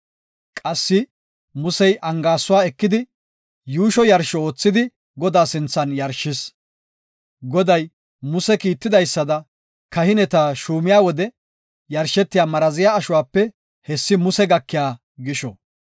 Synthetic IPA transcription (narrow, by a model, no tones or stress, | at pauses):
kʼɐsːɪ | mʊsɛjʔɐŋɡaːsːʊwaːɛkːɪd̪ɪ | juːʃɔjɐɾʃɔoːt͡sːɪd̪ɪ | ɡɔd̪aːsɪnt͡sːɐnjɐɾʃːɪs | ɡɔd̪ɐj | mʊsɛkiːt̪ːɪd̪ɐjsːɐd̪ɐ | kɐhɪnɛt̪aːʃuːmɪjaːwɔd̪ɛ | jɐɾʃɛt̪ːɪjaːmɐɾɐzɪjaːɐʃʊwaːpːɛ | hɛsːɪmʊsɛɡɐkːɪjaː | ɡɪʃɔ